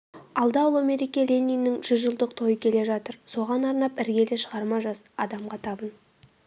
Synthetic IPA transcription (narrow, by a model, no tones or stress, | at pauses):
ɑlˠd̪ɑwlˠomeɾikʲeɾʲenʲːijnːɪŋʒ̥ʏzʒəlˠd̪əqt̪ʰo̞jəkʲʰe̞le̞ʒɑt̪əɾso̞ʁɑnɑɾnɑp̚ɪɾɡʲe̞lɪʃəʁɑɾmɑʒɑsɑd̪ɑmʁɑt̪ʰɑbən